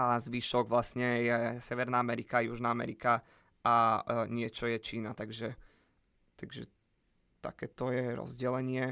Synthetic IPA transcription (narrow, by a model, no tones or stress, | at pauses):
ʔazʋiʃɔɡʋlasɲɛjɛsɛʋɛɾnaamɛɾikajuʒnaamɛ̰ɾika | ʔaɲɪɛt͡ʃɔjɛt͡ʃiːnat̪aɡʒɛ | t̪aɡʒɛ̰ | t̪a̰kɛːt̪ɔjɛɾɔ̰zɟɛlɛɲɪɛ